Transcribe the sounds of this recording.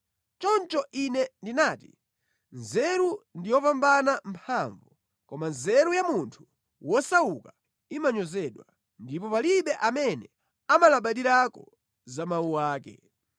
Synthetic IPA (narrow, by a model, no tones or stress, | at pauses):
t͡ʃɔnt͡ʃɔʔinɛndinaːtḭ | nzɛɾundijɔpambanampʰaɱvu | kɔmanzɛɾujamuntʰu̥ | wɔsauka | imaɲɔzɛɗwa | ndipɔpaliɓɛʔamɛnɛ | amalaɓaɗiɾakɔ̰ | zamawuwaːkɛ̰